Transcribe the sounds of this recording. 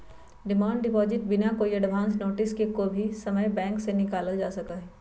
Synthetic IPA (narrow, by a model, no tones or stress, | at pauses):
ɖɪmãːɳɖɖɪpɔːzɪʈ̚bɪnakoijeɖbʱãːnsnoːʈɪskekobʱisɐməjbɛ̃ːŋksenɪkaːləld͡ʒaːsɐkaɦɛː